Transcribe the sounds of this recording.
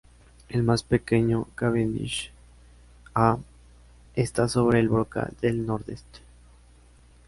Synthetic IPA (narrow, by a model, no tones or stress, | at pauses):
elmaspe̞ke̞ɲokaβenḭʃ | a | est̪aso̞βɾeːlβɾoka̰ðelnoɾðest̪e̥